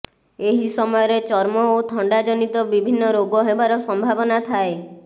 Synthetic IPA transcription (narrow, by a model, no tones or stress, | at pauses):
eɦisɔmɔjɔɾet͡ʃɔɾmɔot̪ʰɔɳɖad͡ʒɔnit̪ɔbibʱinːɔɾoɡɔɦebaɾɔsɔmbʱabɔnat̪ʰae